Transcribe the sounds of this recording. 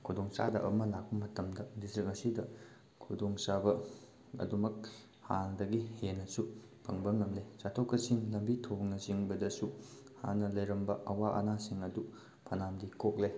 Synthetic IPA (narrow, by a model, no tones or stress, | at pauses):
kʰudoŋsa̰dɐʔɐ̰mɐlak̚bɐmɐtɐmdɐdistɾikɐsidɐ | kʰudoŋsabɐ | ɐ̰dumɐk̚ | haŋdɐɡihenːɐsu | pʰɐŋbɐŋɐmlesatʰokːɐsiŋlɐmbitʰoŋnɐziŋbɐdɐsu | ha̰nɐlɐjɾɐmbɐɐwaʔɐ̰nasiŋɐdu | pʰɐnamdikok̚lej